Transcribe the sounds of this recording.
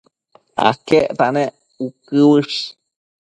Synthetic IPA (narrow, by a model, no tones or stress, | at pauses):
a̰keʔt̪anẽ | ukɨwɨʂ